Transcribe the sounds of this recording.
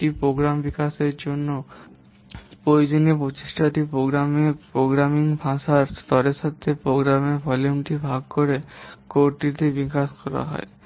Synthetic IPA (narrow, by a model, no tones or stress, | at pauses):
ipɾoɡɾambikaseɾd͡ʒonːo | pojd͡ʒonipot͡ʃiʃʈʰat̪ipɾoɡɾamepɾoɡɾamiŋbʱãsaɾst̪ɔɾesat̪ʰːepɾoɡɾamebʱɔluɳʈibʱaɡkoɾekoɾʈit̪ebikaskɔɾa̰ɦɔ̰e